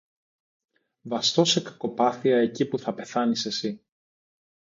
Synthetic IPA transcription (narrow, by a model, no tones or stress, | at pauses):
vɐst̪o̞se̞kɐ̥ko̞pɐθiɐe̞cipuθɐpe̞θɐnise̞si